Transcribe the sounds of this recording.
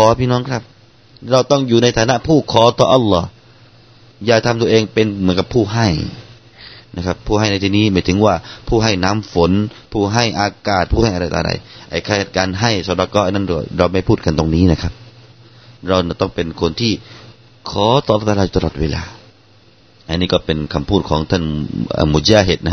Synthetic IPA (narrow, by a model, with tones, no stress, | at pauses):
kʰɔː˨˦pʰiː˧nɔː˧˥ŋkʰɾa˦˥˩p̚ | ɾa˧wt̪ɔ˥˩ŋjuː˨˩na˧jt̪ʰaː˨˧˦na˧˥ʔpʰuː˥˩kʰɔː˨˦t̪ɔː˧ʔa˧lːɔ˦˧˩ | jaː˧˩k̚t̪ʰa˧mt̪u˧ʔeː˧ŋpe˧nmɯ˨˦nka˧pʰːuː˧˩ɦa˥˩j | na˧˩kʰa˦˧pʰːuː˥˩ɦa˥˩jna˧jt̪ʰiː˧niː˦˥˩maː˧˩jt̪ʰɯ˨˦ŋwaː˧˩pʰuː˥˩ɦa˥˩jna˧˥˨mfo˨˦n | pʰuː˥˩ɦa˥˩jʔaː˧kaː˨˩t̪̚pʰuː˥˧˩ha˥˩jʔa˧ɾa˧jt̪a̰˧ɾa̰˧jʔa˨˧˩jkʰa˧˩a˨˩t̪̚kaː˧nɦa˥˩jsa˨˧˦ɾɔ˧kɔː˧˥ʔa˧na˥˨kɔ̰ː˧˩ɾa˧wma˥˩jpʰuː˥˩t̪̚ka˧nt̪o˧˨ŋniː˦˥˨na˧kʰa˦˩p̚ | ɾa˧wna˧˩t̪ɔ˥˩ŋpe˧nkʰo˧nt̪ʰiː˧˥˩ | kʰɔː˨˦t̪ɔː˧˨lːɔː˦˥˩t̪ːaː˧o˨˧˩t̪ʰɔː˨˩t̪̚weː˧la̰ː˧ | ʔa˧niː˧˥˩kɔː˧˩pe˧nkʰa˧mpʰuː˥˩t̪̚kʰɔː˨˦ŋt̪ʰa˥˩nʔa̰ː˧˨mu˧˩d͡ʒaː˧ɦe˧˩t̪̚na˧˩˧